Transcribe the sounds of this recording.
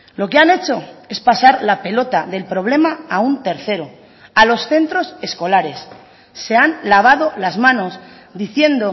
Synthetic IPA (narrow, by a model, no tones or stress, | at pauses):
lo̞keane̞t͡ʃo̞e̞spasaɾlape̞lo̞t̪aðe̞lpɾo̞βle̞maaunt̪e̞ɾθe̞ɾo | alo̞sθe̞nt̪ɾo̞se̞sko̞laɾe̞sː | e̞anlaβ̞að̞o̞lazmãno̞s | d̪iθje̞nd̪o